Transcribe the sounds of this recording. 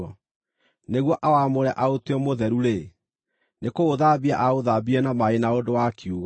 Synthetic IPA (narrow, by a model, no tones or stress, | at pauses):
ɔ | neɣwɔʔawamoɾɛʔaoteɔmoðɛɾuɾe | nekoːðabia̰ʔaoðabiɛnamaenaodowakiuɣa